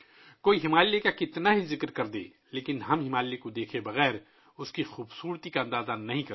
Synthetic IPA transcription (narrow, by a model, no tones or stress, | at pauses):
koːiɦɪmaːlekakɪt̪naɦizɪkɾkɐɾd̪ḛː | leːkɪnɦɐmɦɪmaːlːekod̪eːkʰebɐɣɛːɾ | ʊskixuːbsuːɾt̪ikaɐ̃nd̪aːzanɐɦĩkɐɾ